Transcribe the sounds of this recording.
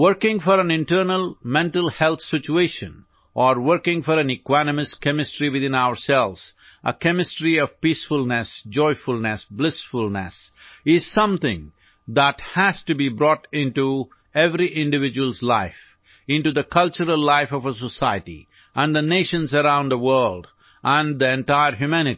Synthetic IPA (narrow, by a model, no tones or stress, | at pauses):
wəɾkɪ̃ŋfɔɾæ̃nɪ̃nʈəɾnəlˠmɛ̃nʈəl̩ˠhɛlt̪sɪt͡ʃueɪʃə̰̃n | ʔɔɾwəɾkɪ̃ŋfɔɾæ̃nɨkwænəmɨskɛmɨsʈɾiwɨðɪ̃naʊə˞sɛlʋz̥ | ʔə̰kɛmɪsʈɾiʌv̥piːsfʊlnɛsd͡ʒɔɪfʊlnɛsblɪsfʊlnɛ̰sɪz̥sʌ̃mθɪ̃ŋ | ðæthæz̥tɨbibɾɔʈɪ̃nʈu | ɛvɾiʔɪ̃nɖɨvɪd͡ʒuwəlˠzlaɪf | ɪ̃nʈud̪əkʰʌlt͡ʃəɾəlːaɪfɔvəs̬əsaɪətḭ | ʔə̃nðəneʃə̃nzəɾãʊ̃nd̪əwɜ˞ld | ʔə̃nd̪iɛ̃nʈaɪəɾɦjumænɪ